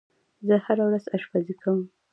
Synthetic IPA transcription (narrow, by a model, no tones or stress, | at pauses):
zəhaɾawɾazaʃpazikʰawəm